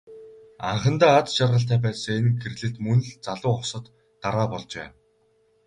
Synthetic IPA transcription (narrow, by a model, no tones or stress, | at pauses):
a̰ɴχə̆nt̪aːat͡sʃarʁə̆ɬ̬t̪æːpæːsɞ̆ŋenxʰeɾɮɘ̆ɬt̪mɵnɮt͡saɮʊːɔχsə̆t̪ː | aɾaːpɔɮt͡ɕpæ̰ːn